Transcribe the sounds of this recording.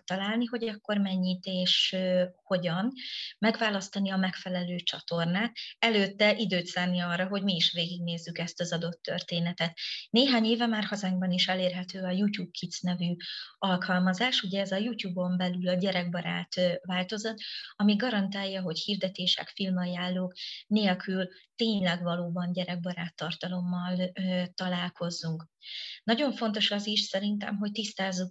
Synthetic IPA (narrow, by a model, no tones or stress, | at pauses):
t̪ɒlaːlniɦo̞ɟɒkːo̞rmɛɲːit̪eːʃho̞ɟɒnmɛɡvaːlɒst̪ɒniɒmɛkfɛlɛløːt͡ʃɒ̰t̪o̞rnaːt̪ɛløːt̪ːɛʔid̪øːt̪saːrniɒrːɒɦo̞ɟmiːʃʋveːɡiɡneːzːykɛst̪ɒzɒd̪o̞t̪ːø̰rt̪eːnɛt̪ɛt̪neːɦaːɲeːvɛmaːrhɒzaŋɡ̚bɒniʃɛleːrɦɛt̪øːɒjuːcuːb̚kʰit̪snɛvyɒlkʰɒlmɒzaːʃuɟɛːzɒjuːtuːbo̞mbɛlylɒɟɛɾɛɡ̚bɒɾa̰ːt̪vaːlt̪o̞zot̪ːɒmiɡɒɾɒnt̪aːjːɒɦo̞chiːrd̪ɛt̪eːʃɛ̰kfilmɒjaːlːoːkneːlkʰylt̪eːɲlɛɡvɒloːbɒnɟɛɾɛɡ̚bɒɾaːt̪ːɒrt̪ɒlo̞mːɒlt̪ɒlaːlko̞zːuŋknɒɟo̞ɱfo̞n̪t̪o̞ʃɒziʃsɛɾint̪ɛ̰mɦo̞c̚t̪ist̪aːzːu